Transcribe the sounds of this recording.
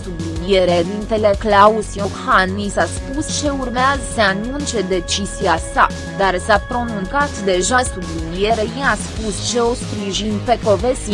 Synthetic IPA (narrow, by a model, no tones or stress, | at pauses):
sublinieɾed̪int̪e̞le̞klausijohanːisaspust͡ʃe̞urmeazəseanunt͡ʃe̞d̪e̞t͡ʃiziasa | d̪arsapɾo̞nuŋkat̪d̪e̞ʒasublinie̞ɾejeaspust͡ʃe̞o̞spɾiʒinpe̞ko̞vesi